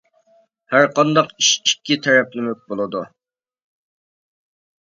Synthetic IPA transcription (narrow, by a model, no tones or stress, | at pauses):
hæɾqʰɑnd̪ɑqiʃikʲːit̪ʰɛɾɛpnɪmøk̚ʲbolˠɨd̪u